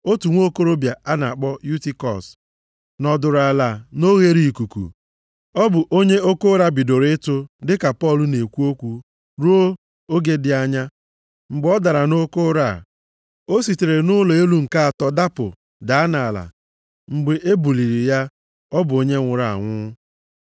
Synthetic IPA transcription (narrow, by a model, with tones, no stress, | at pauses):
o˦tu˨ŋʷ˦o˦ko˦ɾo˦bja˨a˦na˨a˨k͡pɔ˦ju˦ti˦kɔ˨s | nɔ˨dʊ˨ɾa˨la˨no˦ɣe˦ɾi˦˨ku˨kṵ˨ | ɔ˦bʊ˨ʔo˦ɲe˦o˦ko˦ɾa˦bi˨do˨ɾɪ˦tʊ˦dɪ˦ka˨pɔ˦˨lʊ˨˦ne˨kʷu˦o˦kʷu˦ | ɾu˦o˦ | o˦ɡe˦dɪ˨a˦ɲa˦ | ŋ͡m̩˨ɡ͡bɔ˦da˨ɾa˨no˦ko˦ɾa˨ | o˦si˨te˨ɾe˨nʊ˦lo˨e˦lu˦ŋ̩˨ka˦a˨tɔ˦da˦pʊ̰˨ | da˨a˦na˨la̰˨ | ŋ͡m̩˨ɡ͡be˨ʔe˦bu˨li˨ɾi˨ja˦ | ɔ˦bʊ˨o˦ɲe˦ŋʷʊ˨ɾa˨a̰˨ŋʷʊ˦